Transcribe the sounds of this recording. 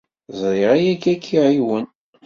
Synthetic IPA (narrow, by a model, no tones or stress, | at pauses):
zˤɾɪʁæjækːækʰːiʕiwən